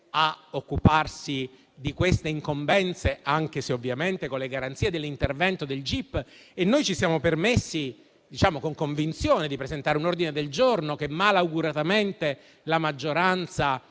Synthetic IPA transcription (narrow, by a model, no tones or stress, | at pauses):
aokːuparsi | d̪ikwest̪eiŋkombɛnt̪seaŋk̟eseovːjament̪ekonlːeɡaɾant̪sied̪elːint̪ervɛnt̪od̪eld͡ʒipːenːojt͡ʃisjaːmopermesːi | d̪it͡ʃaːmokoŋkoɱvint̪sjoːned̪ipɾezent̪aːɾeunord̪ined̪eld͡ʒornokemalauɡuɾat̪ament̪e | lamad͡ʒːoɾant̪sa